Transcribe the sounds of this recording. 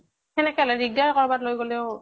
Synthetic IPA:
kɛnɛkɛlɔdiɡ̚daɹkɔɹbatlojɡolɛʊ

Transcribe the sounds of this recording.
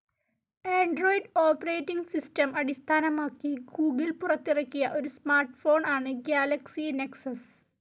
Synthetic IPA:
eːɳɖro̞ːjiɖoːpɐreːʈːiŋɡsistɐmɐɽist̪ʰaːnɐmaːkːiɡuːɡilpurɐt̪ːirɐkːijɐʔo̞ɾusmaːrʈfo̞ːɳʔaːɳɨɡjaːlɐksineksɐs

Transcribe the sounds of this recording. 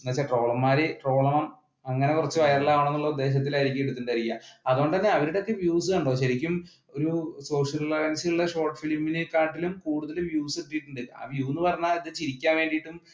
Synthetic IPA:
nɐt͡ɕːaʈro̞ːɭɐmːaːɾeʈro̞ːɭɐmɐm | ɐŋːɐne̞kurɐt͡ɕːɨʋɐjɐrɐlːaːʋɐɳenːuɭːɐud̪ːe̞ːɕ̬ɐt̪̬ːilaːjiɾik̬ʲːeɽut̪ːuɳɖaːɾikʲjːɐɐðuoɳɖɨt̪ɐnːe̞ɐʋɐɾiɽeo̞kːe̞ʋjuːs̬ɨɐɳɖoːɕɐɾikʲːum | o̞ɾuso̞ːʂɐllɐrjɐnsiuɭːɐɕo̞ːrʈfilmːinɨkːaːʈːilumkuːɽuðɐluʋjuːsuʈːijiʈːuɳɖɨa̰ːʋjuːnːɨpɐrɐɲːaːiðɨt͡ɕiɾikʲːaːnʋe̞ːɳɖijiʈːum

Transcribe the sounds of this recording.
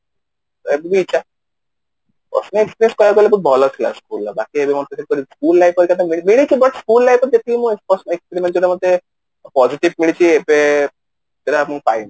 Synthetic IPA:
ebbit͡ʃʰa | pɔ̰snɔekspiɾeskɔlaɾkɔlebubʱɔlɔt̪ʰila̰skulːabakiebemɔt̪ek̪ʰeɾkɔɾiskuːlːajpɔɾkat̪amimiɭit͡ʃʰibɐʈskulːajpɔɾd͡ʒet̪imũespɔsnekspeɾimẽɳʈɔɾamɔd̪ːe | pɔziʈibmiɭit͡ʃʰiepe | t̪eɾamũpa̰jn

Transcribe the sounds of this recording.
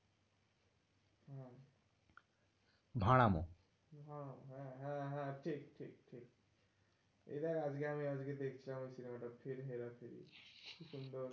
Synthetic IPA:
ɦã | bʱaɽ̃amõ̰ | bʱãɦãɦãɦãʈʰikʈʰikʈʰik | ḛd̪aɾad͡ʒɡeamiad͡ʒɡed̪ekʰi̥t͡ʃʰilamojsinemaʈapʰeɾɦeɾapʰeɾḭkʰuʃund̪ɔɾ

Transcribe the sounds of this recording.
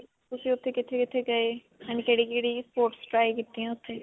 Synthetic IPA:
tʊsĩːʊt̪ʰːeːkɪt̪ʰːeːkɪt̪ʰeːɡəeː | ɛniːkeːɽiːkeːɽiːspoːɾʈsʈɾaːikiːt̪ːiːɛ̃ːʊt̪ʰːeː

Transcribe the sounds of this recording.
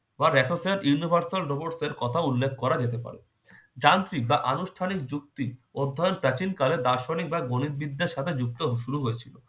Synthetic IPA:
baɾɛʈosaɾʔjuunibʱaɾsalɾopoɖseɾkɔt̪ʰaulːek̚kɔɾad͡ʑet̪epa̰ɾḛ | d͡ʑant̪ɾibaʔanuʃʈʰanik̚d͡ʑuk̚t̪iod̪ʱːajonpɾat͡ɕinkaled̪aɾʃonik̚baɡonit̪̚bid̪ʱːeɾʃat̪ʰed͡ʑuk̚t̪oɦʃuɾuɦojet͡ɕʰilo

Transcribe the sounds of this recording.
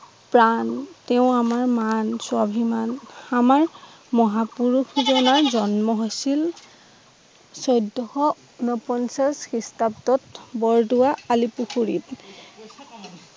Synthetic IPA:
pɹantɛʊ̃amaɹmanswabʱimanamaɹ | mɔɦapuɹuxzɔnaɹzɔnmɔɦojsil | sɔjdːɔhɔ | unɔpɔnsaskistaptɔtbɔɹduwaalipuxuɹḭt

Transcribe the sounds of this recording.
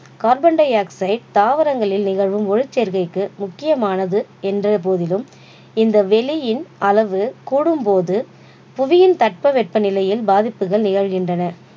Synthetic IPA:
kaːɾbɐɳɖɐjaːksɐɪɖ̚t̪aːʋɐɾɐŋɡɐɭɪlnɪɣɐɻʋɯmɔɻɪt͡ʃːɛɾɣɐɪkːɯmʊkːɪjɐmaːnɐðɯɛndrɐp̬oːðɪlɯm | ɪnd̪ɐʋɛlɪjɪnɐlɐʋɯkuːɽɯmpoːðɯ | pʊʋɪjɪnt̪ɐʈ̚pɐʋɛʈ̚pɐnɪlɐjɪlbaːðɪpːɯɣɐɭnɪɣɐɻɣɪndrɐnɐ

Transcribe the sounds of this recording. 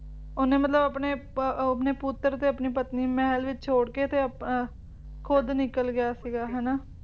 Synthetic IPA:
ʊnẽːmət̪ləbəpneːpneːpʊt̪ːəɾt̪eːəpniːpət̪niːmɛːlʋɪt͡ʃt͡ʃʰoːɽkeːt̪eːəpː | kʰoːd̪nɪkəlɡɪjaːsiːɡaːɦɛːnaː

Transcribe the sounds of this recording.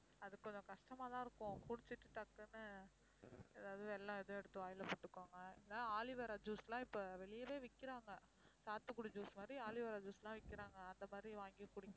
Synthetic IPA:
ɐðɯkːɔɲd͡ʒɐ̃kɐʂʈɐmaːt̪ãːɪɾɯkːʊ̃kʊɽɪt͡ʃːɯʈːɯt̪ɐkːɯnːɯ | ɛðaːʋðɛlːãːɛðõɛɽɯt̪ːɯʋaːjɪlɐpoːʈːɯkːaːŋɡɐɪːaːaːlɪʋɐɾaːd͡ʒuːslãːɪpːoʋɛɭɪjɐʋeːʋɪkːɪɾaːŋɡɐ | saːt̪ːɯkːʊɽɐd͡ʒuːsmaːd̪ɾiaːlɪʋɐɾaːd͡ʒuːslãːʋɪkːɪɾaːŋɡɐɐnd̪ɐmaːd̪ɾiʋaːŋɡɪkːʊɽɪ

